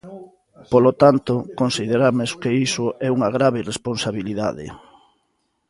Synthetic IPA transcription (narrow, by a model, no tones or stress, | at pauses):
polot̪ant̪okonsið̞eɾameskeisʊʔɛuŋaɣɾaβeiresponsaβiliða̰ðḛ